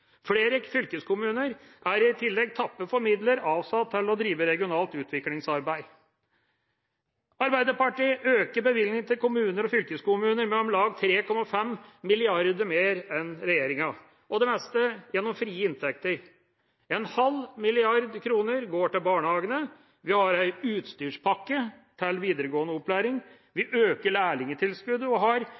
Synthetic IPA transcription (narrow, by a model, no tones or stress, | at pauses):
fleːɾəfʏlkəskʰʊmʉːnəɾʔæɾɪt̪ʰɪlːɛɡ̚t̪ʰɑpːəfɔɾmɪd̪ləɾɑːʋsɑt̪ʰːɪlːɔd̪ɾiːʋəɾɛɡɪʊnɑːlt̪ʉːt̪ʰʋɪklɪŋsɑɾbæɪ | ɑɾbæɪd̪əɾpɑʈiːʔøːkəɾbəʋɪlnɪŋt̪ʰɪlkʊmʉːnəɾɔfʏlkəskʊmʉːnəɾmɛɔmlɑːɡ̚t̪ʰɾeːkʰɔmːɑfɛmmɪlɪɑɾd̪əmeːɾɛnɾɛjeːɾɪŋɑ | ʔɔd̪ɛmɛst̪əjɛnːɔmfɾiːəɪnt̪ʰɛk̚t̪əɾ | ɛnhɑlmɪlɪɑɾd̪kʰɾuːnəɾɡoːʈɪlbɑːɳəhɑːɡənə | ʋɪhɑɾæɪʉːt̪st̪yːʂpʰɑkːə | t̪ʰɪlʋiːd̪əɾəɡoːənəɔplæːɾɪŋ | ʋɪʔøːkəɭæːɭɪŋət̪ʰɪlskʉd̪əɔɦɑɾ